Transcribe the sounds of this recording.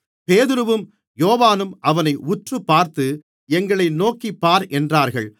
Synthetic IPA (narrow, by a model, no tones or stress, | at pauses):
peːðɪɾɯʋɯm | joːʋaːnɯmʔɐʋɐnɐɪʔʊʈrɯpːaːɾt̪ɯ | ɛŋɡɐɭɐɪnoːkipːaːɾʔɛndraːɾɣɐɭ